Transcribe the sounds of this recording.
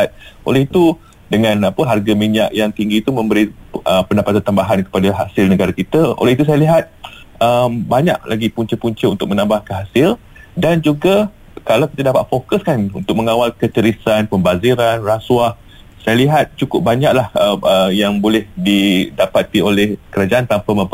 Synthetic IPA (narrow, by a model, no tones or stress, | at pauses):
at̪̚ʔo̰lɛhit̪u | dəŋãnapəɦarɡamiɲaʔjaŋt̪iŋɡiːt̪umə̃mbəɾiəpəndapat̪ant̪ambaɦankə̥padaɦasɪlnəɡaɾakit̪əo̰lɛhit̪us̬ajəliɦat̪̚ | əmbaɲa̰ʔlʔa̰ɡipuɲt͡ʃəpuɲt͡ʃəunt̪ʊk̚mənãmbahkəɦasɪl | dand͡ʒuɡa | kalawki̥t̪ədapat̪̚fokəskanṵnt̪ʊk̚məŋawalkət͡ʃəɾisanpəmbaziɾanraswah | sajaliɦat̪̚t͡ʃukʊp̚baɲaʔlahəəjaŋbolɛhdidapat̪iolɛhkəɾad͡ʒaʔant̪ampamə̃